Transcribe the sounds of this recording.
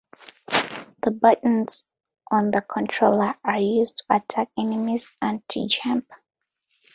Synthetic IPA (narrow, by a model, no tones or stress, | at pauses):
ðəbʌʔn̩z̥ | ʔɔ̃nðəkʰɔ̃ntʰɹoləajuztʰu̥atʰakɛnɪmizãntʰṵd͡ʒãmp